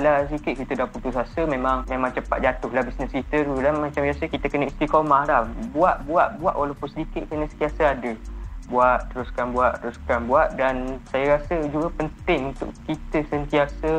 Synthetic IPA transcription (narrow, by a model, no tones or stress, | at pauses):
lasədikɪt̪ʔ̚kit̪ədaput̪usasəmẽmãŋmẽmãŋt͡ʃəpa̰t̪̚d͡ʒat̪ʊhlahbisnəskit̪əɾulahmãt͡ʃambiasəkit̪əkənəist̪ɾikomahlahbuaʔbuaʔ̚bua̰ʔwʔalapʊnsədikɪt̪ʔ̚kənəsənt̪iasaadəbuaʔt̪əɾuskanbuaʔt̪əɾuskanbuaʔ̚dansajaɾasəd͡ʒuɡapənt̪ɪŋunt̪ʊ̰ʔkit̪əsənt̪iasə